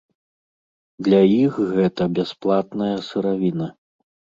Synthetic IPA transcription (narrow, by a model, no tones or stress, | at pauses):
d̪lʲɐixɣɛt̪ɐbʲasplˠat̪nɐjɐsɨɾavʲinɐ